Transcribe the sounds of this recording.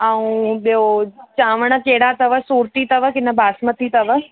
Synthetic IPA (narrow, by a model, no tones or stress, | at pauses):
aũɓijot͡ɕãːʋəɽ̃əkeːɽat̪ɐʋəsuːɾt̪it̪ɐʋəkɪnəbʱaːsmət̪ʰit̪ɐʋə